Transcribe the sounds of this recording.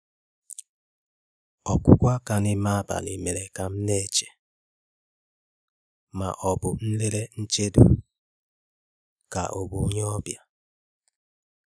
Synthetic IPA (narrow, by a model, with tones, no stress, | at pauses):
ɔ˨kʷʊ˦kʷa˦ka˨nɪ˦ma˦ba̰˨le˨me˨ɾe˨ka˨m̩˦ne˦˨t͡ʃe̥˨ | ma̰˨ʔɔ˨bʊ˨n̩˦le˦ɾe˦n̩˦t͡ʃe˦dṵ˨ | ka̰˨ʔo˨bu˨˦ɲe˦ɔ˦bja˨